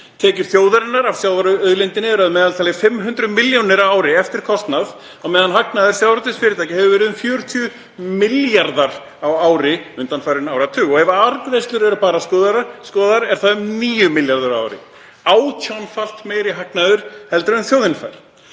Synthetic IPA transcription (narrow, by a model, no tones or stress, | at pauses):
t̪ʰɛːcʏɾ̥θjoːwðaɾɪnːaɾavsjaːwðaɾœðlɪjnt̪ɪnɪɛɾaðmɛːðalt̪ʰaːlɪfɪmːɦʏnt̪ɾʏmɪljonɪɾawaːwɾɪɛft̪ɪɾ̥kʰɔst̪nað | amɛːðanɦaknaðʏɾ̥sjawɾɔt̪ɪsfɪːɾɪt̪ʰajcɪhɛvʏvɛːɾɪðʏmfjœːɾʏ̥t̪ʰʏ | mɪljaɾðaɾ | awaːwɾɪʏnt̪anfajɾɪnawɾat̪ʰʏːɔɣɛvaaɾkðejst̪lʏɾɛɾʏpaːɾaskɔːðaɾaskɔːðaɾɛɾ̥θaðʏmniːjʏmɪljaɾðʏɾaa̰wɾɪ̰ | aːwcʰawnfal̥t̪meːjɾiɦaknaðʏɾ̥hɛlt̪ɾʏmθjoːwðɪnfa̰jɾ̥